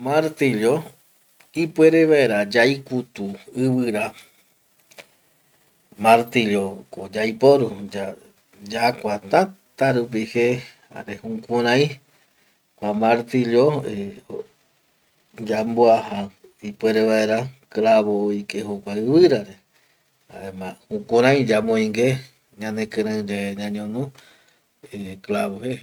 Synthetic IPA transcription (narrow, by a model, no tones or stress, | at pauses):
maɾt̪iljo | ipweɾeβaeɾad͡ʒajkut̪uɨβɨɾa | maɾt̪ilokod͡ʒajpoɾud͡ʒa | d͡ʒakʷat̪ã | t̪aɾup̬ihe | a̰ɾehũkũɾãj̃ | kʷamaɾt̪iljoeo | d͡ʒamboahaipweɾeβae̞ɾaklaβoikehokʷaɨβɨɾaɾe | aemahũkũɾãj̃d͡ʒamõĩŋɡe | ɲãnẽkɨ̃ɾãd͡ʒeɲãɲõnũ | eklaβohe